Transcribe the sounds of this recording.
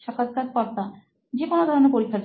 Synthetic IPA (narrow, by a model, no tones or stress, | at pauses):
ʃɔkʰad̪̚kat̪̚pɔɾt̪a | d͡ʑekonod̪ʱɔɾonepoɾikʰːat